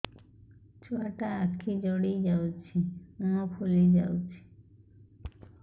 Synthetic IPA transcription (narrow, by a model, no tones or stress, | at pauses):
t͡ɕoaʈaakʰːid͡ʑɔɽijd͡ʑawt͡ɕʰiunopʰolid͡ʑawt͡ɕʰi̥